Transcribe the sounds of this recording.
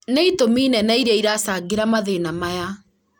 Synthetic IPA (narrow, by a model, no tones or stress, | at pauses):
neitominɛnaiɾaiɾasaɡeɾamaðenamaja